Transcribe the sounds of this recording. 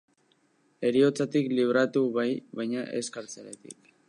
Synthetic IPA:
e̞ɾio̞t͡sat̪ikliβ̞ɾat̪uβajβajɲaʔe̞̰skaɾt͡seɾet̪ḭk

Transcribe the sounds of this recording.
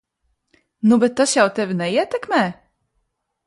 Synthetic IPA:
nubɘt̪ɔɕɛɔt̪ɛvnɛjɛt̪ɘkmɛ

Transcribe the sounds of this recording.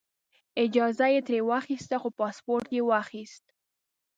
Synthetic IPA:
ɪd͡ʒɑzajet̪ɾewaxist̪axopɑspoɾt̪jewaxist̪̚

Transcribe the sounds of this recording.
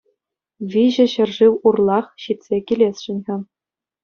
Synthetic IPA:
ʋʲiʑɘ̆ɕɘ̆rʐiwurlˠɑχɕit̪ʲsʲekʲilʲesʲʂɯnʲʁʲɘ̆

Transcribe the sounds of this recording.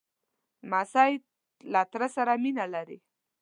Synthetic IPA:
masaj | lat̪ɾasaɾaminalaɾḭ

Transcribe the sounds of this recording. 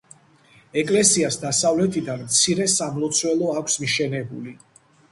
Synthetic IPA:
ɛkʼlɛsiasd̪asavlɛt̪ʰid̪anmt̪sʰiɾɛsamlˠɔt̪sʰwɛlˠɔakʷʰsmiʃɛnɛbuli

